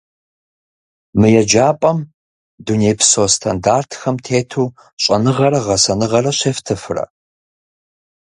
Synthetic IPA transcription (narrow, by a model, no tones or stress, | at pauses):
mɨjɛd͡ʒaːpʼɐm | duneːjpʰsoːstʰandaːrtʰxɐmtʰeːtʰuː | ɕʼɐnɨʁɐɾɐʁɐsɐnɨʁɐrɐɕeːftʰɨfɨrɐ̰